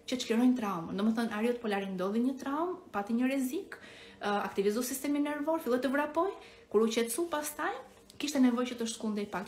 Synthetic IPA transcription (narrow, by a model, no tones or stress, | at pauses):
cət̪əʃkliɾɔjnt̪ɾaumnd̪ɔmɛθɔnaɾiɔt̪pɔlaɾind̪ɔðiɲət̪ɾaumpat̪iɲəɾɛzik | a̰kt̪ivizusist̪ɛminɛɾvɔɾfilˠɛt̪ːəvɾapɔj | kuɾucɛt̪supast̪aj | kiʃt̪ɛnɛvɔjt͡ʃət̪əʃt̪kund̪ɛjpakt̪